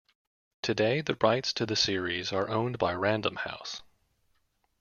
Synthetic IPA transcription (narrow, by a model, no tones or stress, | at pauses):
tʰɨdeɪðɨɹaɪtstʰɨðɨsɪɹizə˞ʔõʊ̃nbaɪɹæ̃ndə̃mha̰ʊs